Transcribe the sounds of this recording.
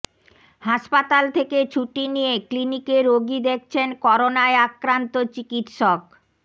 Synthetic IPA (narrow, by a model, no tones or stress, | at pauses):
haʃpat̪alt̪ʰeket͡ɕʰuʈinijeklinikeɾoɡid̪ek̚ʰt͡ɕʰenkɔɾonaeakɾant̪ot͡ɕikit̪ʃok